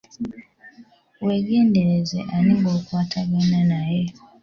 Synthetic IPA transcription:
weɡendeɾezeʔaniŋɡokwaːtʰaβenanaje

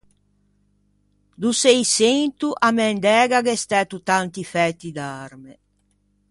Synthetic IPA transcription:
d̪usejsent̪uʔamɛnd̪ɛːɡaɡɛst̪ɛt̪ut̪ant̪ifɛt̪ːid̪aɾmɛ

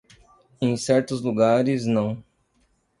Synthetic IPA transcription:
ẽj̃sɛɾt̪ʊzluɡaɾɪznɐ̃w̃

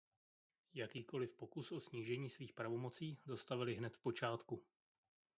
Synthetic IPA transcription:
jakiːko̞lɪfpo̞kusʔo̞sɲiːʒɛɲiːsviːxpɾavo̞mo̞t͡siːzast̪avɪlɪɦnɛt̪fpo̞t͡ʃaːt̪ku

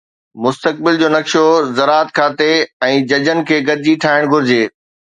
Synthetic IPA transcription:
mʊst̪ək̚bɪld͡ʑoːnɐkʃozɐɾaːət̪̚kʰaːt̪eɛ̃ːd͡ʑɐd͡ʑənɪ̆kʰeːɡɐɾɪd͡ʑiʈʰaːɪɽ̃ɡʱʊɾɪd͡ʑeː

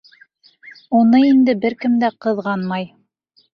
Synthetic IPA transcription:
unɤind̪ɘbɘɾkɘmd̪æqɤ̆ðʁɑnmɑj

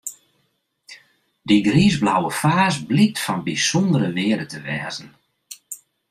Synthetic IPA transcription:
diɡriːzblawəfaːsblitfɔnbisɔndəɾəʋɪədətəʋɛːzən̩

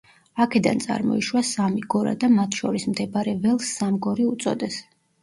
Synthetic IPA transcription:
akʰɛd̪a̰nt̪sʼa̰ɾmɔ̰iʃwasamiɡɔɾa̰d̪amat̪ʰʃɔɾismt̪ʰɛbaɾɛvɛlˠsːamɡɔɾiut̪sʼɔ̰d̪ɛs

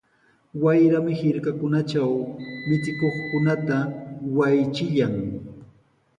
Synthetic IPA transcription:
wajɾamɪhɪɾkakʊnat͡ʃawmɪt͡sɪkoχkʊnat̪awajt͡ʃɪʎaŋ

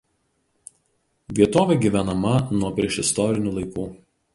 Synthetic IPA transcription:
ʋʲiɛt̪oːʋʲɛˑɡʲiːˑʋʲænɐmɐnuɔpʲɾʲiɛʃɪst̪ɔɾʲɪnʲuːˑlˠɐɪkuː

